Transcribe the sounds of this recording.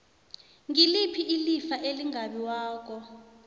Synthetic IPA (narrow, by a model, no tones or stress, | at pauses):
ŋilipʰiʔilifaʔeliŋaɓiwaːk̬ɔ